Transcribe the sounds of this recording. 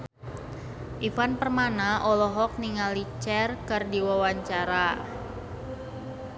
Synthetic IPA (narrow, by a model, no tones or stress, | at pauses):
ʔifanpərmanaʔɔlɔɦɔk̚niŋalit͡ʃɛrkərdiwawaɲt͡ʃaɾa